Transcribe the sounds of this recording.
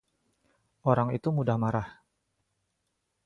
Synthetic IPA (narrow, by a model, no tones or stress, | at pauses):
ʔoɾaŋit̪umudahmaɾah